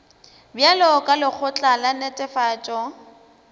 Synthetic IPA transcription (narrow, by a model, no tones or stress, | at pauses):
bjalɔkʼalɪk͡xʰʊt͡ɬʼalanɛtʼɛfaːt͡ʃʼɔ